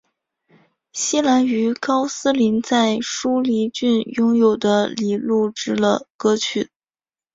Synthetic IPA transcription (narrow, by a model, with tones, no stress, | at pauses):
ɕi˥la˧˥ny˧˥kɑ˥ʊsɹ̩˥li˧˥nt͡sa˥˩ɪʂu˥li˧˥t͡ɕy˥˩njʊ˥ŋjo˨˩ʊd̪ə˦li˨˩˦lu˥˩ʈ͡ʂɻ̩˥lə̰˨kɤ˥t͡ɕʰy˨˩˦